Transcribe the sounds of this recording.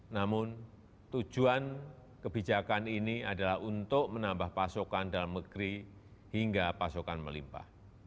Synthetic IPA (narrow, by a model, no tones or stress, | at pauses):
namʊn | t̪u̥d͡ʒ̥uan | kəbid͡ʒakaniniadalahɦunt̪ʊʔmənambahpasokandalamnəɡ̥ɾi | hiŋɡapasokanmə̰limpa̰h